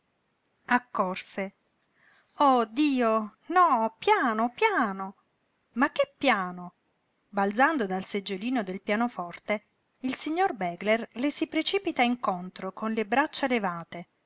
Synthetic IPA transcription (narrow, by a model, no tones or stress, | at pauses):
akːɔrse | od̪iːonɔpjaːnopjaːno | makːepːjaːno | bald̪zand̪od̪alsed͡ʒːeliːnod̪elpjaːnofɔrt̪e | ilsiɲːorbɛːɡlerlesipɾet͡ʃiːpit̪aiŋkont̪ɾokonlebɾat͡ʃːalevaːt̪e